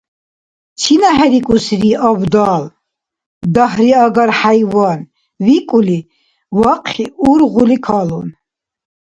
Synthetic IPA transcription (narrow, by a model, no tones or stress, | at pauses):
t͡ʃʰinaɦɛɾikʼusɾiavd̪aːl | d̪aɦɾiaɡaɾħajvan | vikʼuli | waqʼχiuɾʁulikʰalun